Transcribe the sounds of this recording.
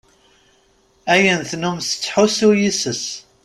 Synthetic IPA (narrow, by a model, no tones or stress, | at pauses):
æjənθnumsə̥t͡sːħusujisəs